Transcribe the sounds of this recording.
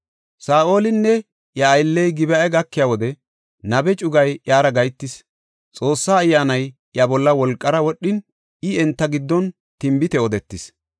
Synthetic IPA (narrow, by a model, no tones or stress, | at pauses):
saːʔo̞ːlɪnːɛ | jɐːjlːɛjɡɪbɛɛɡɐkːɪjawɔd̪ɛ | nɐbɛt͡ʃʼʊɡɐjjaːɾɐɡɐjt̪ːɪs | t͡sʼo̞ːsːaːjːaːnɐj | jɐbɔlːɐwɔlkʼːɐɾɐwɔɗːɪn | ɪɛnt̪ːɐɡɪd̪ːɔn | t̪ɪmbɪt̪ɛɔd̪ɛt̪ːɪs